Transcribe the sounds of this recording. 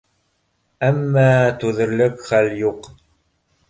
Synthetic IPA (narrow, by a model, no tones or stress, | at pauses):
æmːæːt̪uðəɾləkʷχæljuq